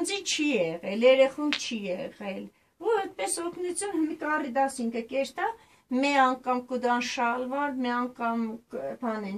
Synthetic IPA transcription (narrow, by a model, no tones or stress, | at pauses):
nd͡zit͡ʃʰijɛʁɛljɛɾɛχumt͡ʃʰijɛʁɛl | vɔɾɛt̪̚pɛsɔkʰnut͡sʰjunmkɑrid̪ɑsiŋkʰəkɛɾt̪ɑ | mɛɑŋkɑmkud̪ɑnʃɑlvɑɾmɛɑŋkɑmpʰɑnɛn